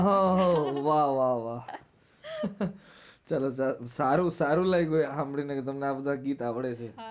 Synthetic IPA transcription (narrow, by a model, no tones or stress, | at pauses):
ɦãɦʋaɦʋaʋa | t͡ʃəlot͡ʃasaɾũsaɾũlaiɡojɦamɽinekt̪əmneabəd̪ʱaɡiːt̪aʋɽet͡ʃʰe